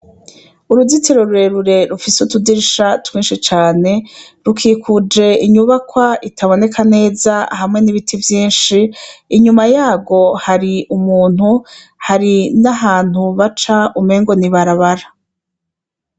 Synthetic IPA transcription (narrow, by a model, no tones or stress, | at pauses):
uɾuzitiɾo̞ɾuɾe̞ɾuɾe̞ɾufisutudiɾiʃatwiːnʃit͡ʃaːne̞ | ɾukʰiːkʰud͡ʒe̞iɲuβakwaitʰaβo̞ne̞kʰane̞ːzaɦamŋe̞niβitʰivjiːnʃiːɲumajaːɡo̞haɾiʔumuːn̥hu | haɾinaɦaːn̥huβat͡ʃaumeːŋɡo̞niβaɾaβaɾa